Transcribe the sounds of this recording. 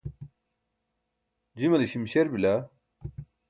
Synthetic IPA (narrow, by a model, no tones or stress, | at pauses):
d͡ʑimɐliɕimɕeɾbila